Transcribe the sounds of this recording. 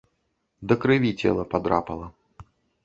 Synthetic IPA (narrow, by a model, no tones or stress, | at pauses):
d̪ɐkɾɨvʲit͡sʲɛ̰lˠɐpad̪ɾa̰pɐlˠɐ